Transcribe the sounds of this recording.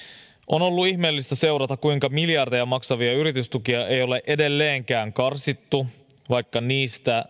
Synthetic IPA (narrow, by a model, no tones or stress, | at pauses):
ʔo̞no̞lːuiçme̞ːlːist̪æse̞wɾɑt̪ɑkujŋkɑmiljɑrdejɑmɑksɑʋiɑyɾit̪yst̪ukiɑe̞jo̞le̞ʔe̞de̞lːe̞ːŋkæːŋkɑrsit̪ːu | ʋɑjkːɑniːst̪æ